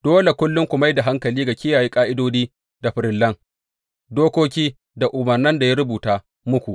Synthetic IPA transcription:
d̥oː˦le˨kʷʊ˦lːʊ˦ŋkʷʊ˨ma˦jda˨ɦa˦ŋkɐ˨liː˦ɡa˨kʲɪ˦jaː˨ji˦kʼaː˦ʔɪ˦doː˦diː˦ | da˨ɸɪ˨ɾɪ˨lːɐ˦ŋ | doː˦kʷoː˦kʲiː˦ | da˨ʔʊ˨mɐ˨rnɐ˦nda˨ja˦ɾʊ˦buː˨taː˦ | mʊ˦kʷu˨ʔ

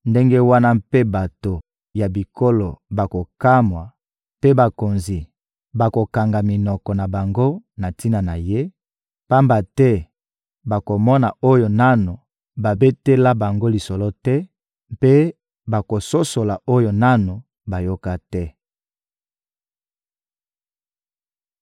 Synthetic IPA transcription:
nde˦ŋɡe˦wa˦na˦mpe˦ba˨to˨ | ja˨bi˨ko˦lɔ˨ba˨ko˨ka˦mwa˨ | pe˦ba˨ko˨nzi˨ | ba˨ko˨ka˨ŋɡa˨mi˨nɔ˨kɔ˨na˨ba˨ŋɡo˦na˨ti˦na˨na˨je˦ | pa˦mba˨tɛ˦ | ba˨ko˨mɔ˦na˨o˦jo˨na˦no˨ | ba˨be˦te˦la˦ba˨ŋɡo˦li˨sɔ˨lɔ˦tɛ˦ | pe˦ | ba˨ko˨so˦so˨la˨ʔo˦jo˨na˦no˨ | ba˨jo˦ka˦tɛ˦

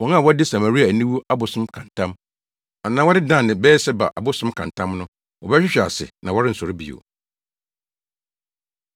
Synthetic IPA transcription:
wɔ̃˨na˦˨wɔ˦dɪ˦sa˨ma˨ɾi˦a˨nĩ˦wu˦a˦bʊ˨sʊ̃˦mkʰã˨ntʰã˦m | a˨nãː˦wɔ˦dɪ˦dã˦˨nɪ̃˨bɛː˦sɛ˦ba̰˨ʔa˨bʊ˦sʊ̃˦mkʰã˨ntʰã˦mnʊ̃˦ | wɔ˨bɛ˦ɕᶣɪ˦ɕᶣɪ˨a̰˨sɪ̰˨nã˨wɔ˦ɾɪ˦n̩˨sɔ˨ɾɪ˦bḭ˨o̰˨

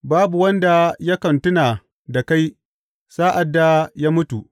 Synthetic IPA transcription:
baː˦bu˨wɐ˦nda˨ja˦kɐ˨ntʊ˦naː˨ | da˨ka˦j | saː˦ʔa˨dːa˨jaː˦mʊ˦tu˨ʔ

